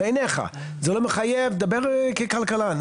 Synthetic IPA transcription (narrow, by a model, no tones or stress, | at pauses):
eneχa̰ | zelomeχajevd̪abeʁkekalkalan